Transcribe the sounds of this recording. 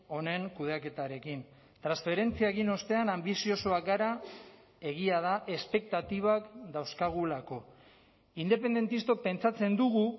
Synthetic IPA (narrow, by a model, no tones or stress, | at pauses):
o̞ne̞ŋkuð̞eake̞t̪aɾe̞kin | t̪ɾansfe̞ɾe̞nt͡siaeɣino̞st̪e̞anambisio̞soakɡaɾa | e̞ɣ̞iað̞aʔe̞spe̞k̚t̪at̪iβ̞akd̪awskaɣ̞ulako̞ | ind̪e̞pe̞nd̪e̞nt̪ist̪o̞pe̞nt͡sat͡se̞nd̪uɣu